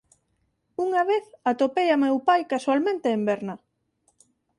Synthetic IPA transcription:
uŋaβeθat̪opejamewpajkaswalmẽnt̪eːmbɛɾnɐ

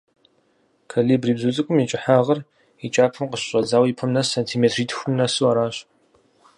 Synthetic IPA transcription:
kʰaliːbriːbzut͡sʼɨkʷʼʊmjɛt͡ʃʼɪħaːʁɐr | it͡ʃʼaːpʰɨmqəɕɕʼɐzaːwipʰɐmnɐsantʰiːmeːtʰriːtʰxʷʊmnɐsuwaɾaːɕ

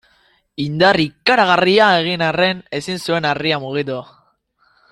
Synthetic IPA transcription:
ind̪arikaɾaɣ̞ariaeɣ̞inare̞ne̞sinsue̞nariamuɣ̞it̪u

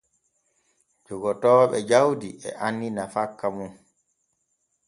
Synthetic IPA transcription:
d͡ʒɔɡɔtɔːɓɛd͡ʒawdiɛ̰ʔanːinafakːamun

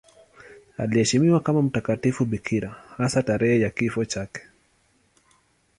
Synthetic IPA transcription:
alihɛʃimiwakamam̩takatifuɓikʰiɾahasataɾɛhɛjakifɔt͡ʃakɛ̥

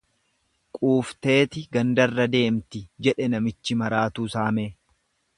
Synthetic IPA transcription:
kʼuːft̪e̞ːt̪ɪɡɐnd̪ɐrːɐd̪e̞ːmt̪ɪd͡ʒɛᶑɛnɐmɪt͡ʃːɪmɐɾaːt̪uːsaːmeː

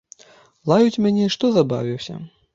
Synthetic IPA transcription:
lˠajut͡sʲmʲanʲɛʂt̪ɔzaba̰vʲiwsʲɐ̰

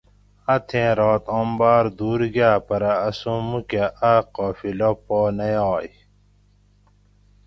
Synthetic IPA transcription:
ɐt̪ʰẽːɾoːt̪õːmbaːɾd̪uːɾɡjaːpɐɾɐːsũmukaʔaqɔːfilopoːnɐjoːj

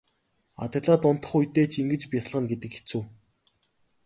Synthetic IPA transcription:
a̰t̪̆ʲɮaːt̪ʊn̥t̪ə̥̆χujt̪eːt͡ɕʰiŋɡɘ̆t͡ɕpjasɮʁə̆nɡet̪ɘ̆ke̥t͡suː

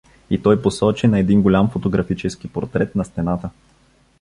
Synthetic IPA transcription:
it̪ɔjposɔt͡ʃinɐɛd̪inɡolʲamfot̪oɡɾɐfit͡ʃɛsk̟ipoɾt̪ɾɛt̪nɐst̪ɛnat̪ə

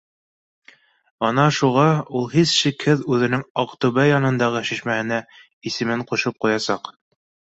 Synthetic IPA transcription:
ɑnɑʃuʁɑulˠhisʃikhɘðʉðɘ̆nɘŋɑqt̪ʉβæjɑnɤ̆nd̪ɑʁɤʃiʃmæhɘ̆næ | isɘ̆mɘɴquʃɤp̚qujɑsɑq

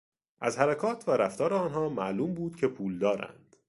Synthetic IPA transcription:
ʔæzhæɾækʰɒːt̪ʰvæɾæft̪ɒːɾeɒːnɦɒːmæʔluːmbuːd̪̥cʰe̞pʰuːld̪ɒːɾæ̰nd̪̥

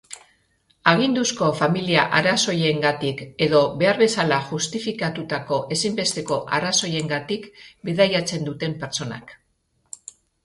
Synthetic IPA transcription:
aɣ̞ind̪usko̞familiaʔaɾaso̞je̞ŋɡat̪ike̞ðo̞be̞aɾβe̞salaʝust̪ifikat̪ut̪ako̞ʔe̞simbe̞st̪e̞ko̞ʔaɾaso̞je̞ŋɡat̪ikbeðajat͡se̞nd̪ut̪e̞mpe̞ɾt͡so̞na̰k

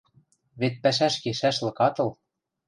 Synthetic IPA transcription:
βet̪̚pæʃæʃkeʃæʃlɤ̆kɑt̪ɤ̆l

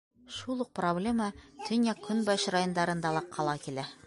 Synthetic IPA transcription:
ʃulˠuq̚problʲemət̪ʰɵ̆njɑkʰːɵnbɑɕrajond̪ɑɾɤ̆nd̪ɑlˠɤqʰːɑlˠɑkilæ

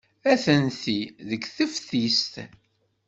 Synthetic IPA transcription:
æθənθiðəɡθəfθist̪

